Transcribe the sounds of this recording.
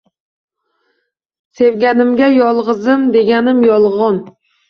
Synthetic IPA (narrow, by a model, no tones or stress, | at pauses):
sevɡʲænɪmɡʲæjɒlˠʁɨzɨmd̪eɡʲænɪmjɒlˠʁɑn